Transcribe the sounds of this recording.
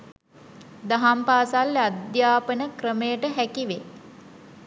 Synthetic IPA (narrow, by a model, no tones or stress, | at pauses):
d̪aɦampaːsalːead̪jaːpənəkrəməjəʈəɦækiʋe